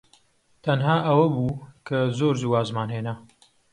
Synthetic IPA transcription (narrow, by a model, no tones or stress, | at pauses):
t̪ʰɐnɦaːʔɐwɐbuːkʰɐzoːɾzuːwaːzmaːnɦeːnɐ